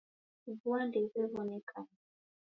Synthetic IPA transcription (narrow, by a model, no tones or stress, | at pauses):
vuandɛvɛvɔnɛkʰa